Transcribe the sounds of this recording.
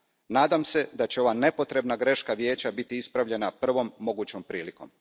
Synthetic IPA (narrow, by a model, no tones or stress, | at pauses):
naːd̪amse̞d̪at͡ɕeo̞ʋane̞po̞t̪ɾe̞bnaɡɾe̞ʃkaʋje̞ːt͡ɕabit̪iispɾaʋʎe̞napr̩ʋo̞mːo̞ɡuːt͡ɕo̞mpɾiːliko̞̰m